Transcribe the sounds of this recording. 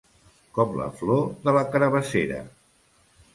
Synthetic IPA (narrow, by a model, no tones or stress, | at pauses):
kɔplə̰floðələkəɾəβəseɾə̰